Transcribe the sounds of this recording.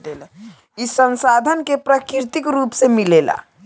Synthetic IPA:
el | isə̃nsaːd̪ʱənkepɾakɪɾt̪ɪkɾuːpsemɪleːla̰ː

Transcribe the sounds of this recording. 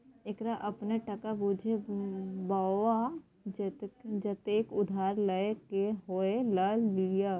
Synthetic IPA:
ekɾaʔɐpneʈɐkabuːd͡ʒʱebaːwa | d͡ʒt̪d͡ʒət̪eːkʊd̪ʱaːɾləekeɦoeləlija

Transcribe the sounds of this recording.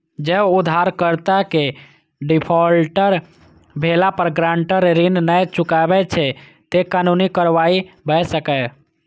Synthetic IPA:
d͡ʒebud̪ʱːaɾkəɾt̪ake | ɖipʰɔlʈəɾ | bʱelapəɾɡɾãɳʈəɾɾinnɛjt͡ʃukabɛt͡ʃʰɛ | t̪ekanunikəɾʋaibəjsəkɛ

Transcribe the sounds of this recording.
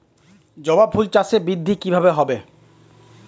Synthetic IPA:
d͡ʑɔbab̚bʱult͡ɕasebɾid̪ʱːikibʱabeɦɔbe

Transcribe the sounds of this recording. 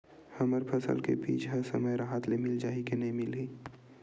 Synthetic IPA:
hɐməɾpʰɐsə̰lkḛbḭːt͡ʃʰɦɐɾsɐ̰məjɾaɦaːt̪lemɪld͡ʒaːikenɐɦĩmɪliː

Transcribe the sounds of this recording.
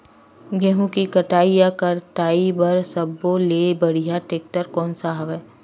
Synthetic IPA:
ɡɛɦũkikɐʈaːijakɐɾʈaːibɐɾsɐboleːbɐɽ̤ijaʈeːk̚ʈəɾkɔːnsaɦɐʋɛː

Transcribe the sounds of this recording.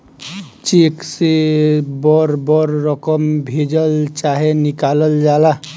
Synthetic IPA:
t͡ʃeksebɔɾbɔɾːɔkəmbʱed͡ʒəlt͡ʃaɦenikaləld͡ʒala

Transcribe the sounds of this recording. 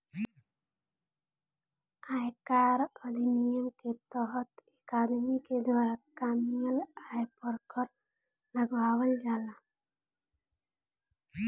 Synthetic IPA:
ajkaɾɔd̪ʱinijəmket̪ɔɦɔt̪ekad̪miked̪waːɾakamijəlajpɔɾkɔɾ | ləɡbawəld͡ʒala

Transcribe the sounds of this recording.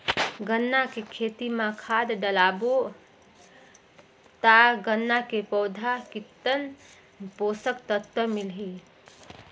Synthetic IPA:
ɡənːakekʰet̪imãkʰad̪ɖəlabo | t̪aɡənːakepəʊd̪ʱakit̪ːən | posəkt̪ət̪wəmilɦi

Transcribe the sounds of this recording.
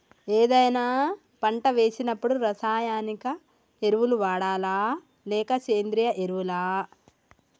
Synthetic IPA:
eːd̪ɐjnaː | pɐɳʈɐʋe̞ːsinɐpːuɽuɾɐsaːjaːnikɐ | e̞ɾuʋuluʋaːɽaːlaː | lɛːkɐt͡ʃe̞ːnd̪ɾijɐʔeɾuʋulaː

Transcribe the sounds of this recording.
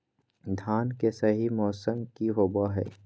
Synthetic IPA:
d̪ʱaːnkesɐɦimɔːsəmkiɦoːbaɦɛ̰ː

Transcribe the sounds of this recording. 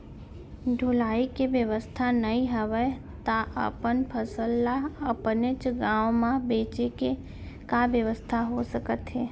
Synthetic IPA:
ɖʱʊlaːikeʋjəʋəst̪ʰanəɦĩɦəʋə | t̪aʔə̰pənpʰəsəlːaəpnet͡ʃɡãːwmãbeːt͡ʃeke | kabjəʋəst̪ʰaɦosəkət̪ɦɛː

